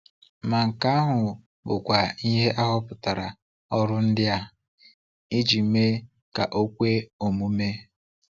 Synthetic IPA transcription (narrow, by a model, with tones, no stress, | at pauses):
ma˨ŋ̩˨ka˦a˦ɦʊ˨ | bʊ˨kʷa˨i˦ɦe˦ʔa˦ɦɔ˦pʊ˨ta˨ɾa˨ | ɔ˦ɾʊ˦n̩˦dɪ˦a˦ | i˦d͡ʒi˨me˦ | ka˨ʔo˦kʷe˦o˨mu˦me˦